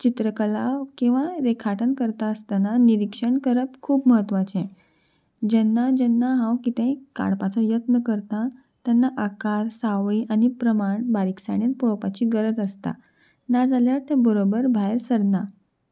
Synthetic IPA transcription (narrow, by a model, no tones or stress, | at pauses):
t͡ɕit̪ɾəkəlaʋkĩw̃ʋaɾekʰaʈʰənkəɾt̪aəst̪ananiɾikʂəɳkəɾəpkʰuːpməɦət̪ʋat͡ɕɛ̃ | d͡ʑɛnːad͡ʑɛnːaɦãwkit̪ə̃jka̰ɽpat͡sɔjət̪nəkəɾt̪a | t̪janːaʔakaɾsaʋɭiʔanipɾəmaɳbaɾiksa̰ɽ̃inpoɭpat͡ɕiːɡəɾəd͡zəst̪a̰ | nad͡zaljaɾt̪ɛ̃bəɾobəɾbʱajɾsəɾna